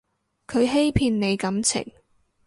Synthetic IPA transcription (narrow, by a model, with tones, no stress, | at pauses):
kʰɵ˨˧ɥɦe˥jpʰiː˧nne˨˧jkɐ˨˧˥mt͡sʰɪ̰˨˩ŋ